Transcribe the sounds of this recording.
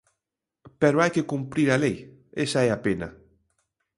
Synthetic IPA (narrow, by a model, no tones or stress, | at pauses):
pɛɾoajkɪkumpɾiɾalej | esaɛapenɐ̰